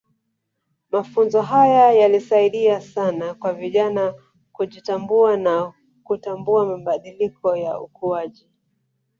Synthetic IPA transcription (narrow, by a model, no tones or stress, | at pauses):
mafunzɔɦajajalisaiɗiasanakwaviʄana | kuʄitambuana | kutambuamaɓaɗilikɔjaṵkuaʄi